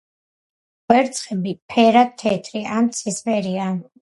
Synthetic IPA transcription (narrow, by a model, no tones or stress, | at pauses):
wɛɾt̪sʰʼχʼɛbipʰɛɾat̪ʰːɛt̪ʼɾiʔamt̪sʰisvɛɾia